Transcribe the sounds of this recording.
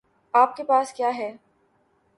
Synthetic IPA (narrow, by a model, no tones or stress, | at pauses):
aːp̚kepaːskjaːɦɛː